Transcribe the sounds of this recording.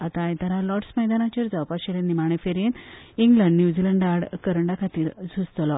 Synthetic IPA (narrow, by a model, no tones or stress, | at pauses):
at̪ajt̪aɾalɔʈsməjd̪anat͡ɕaɾd͡zawpaɕelenimaɽ̃efeɾeniŋɡləɳɖnjud͡ʑiləɳɖaɽkəɾəɳɖakʰat̪iːɾd͡zʱust̪lɔ